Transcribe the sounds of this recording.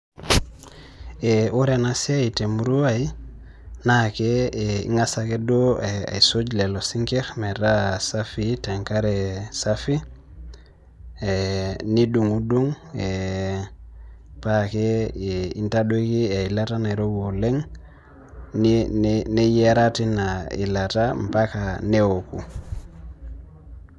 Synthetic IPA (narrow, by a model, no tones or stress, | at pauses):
euɾenasiaitemuɾuai | nakeeḭŋasakedoa̰isod͡ʒlelosiŋkeɾmeɾasafiteŋkaɾesafi | eniduŋuduŋ | e | pakeintadoikiailatanaiɾoɡoleŋ | nnnejeɾatinaḭlatampakanewoku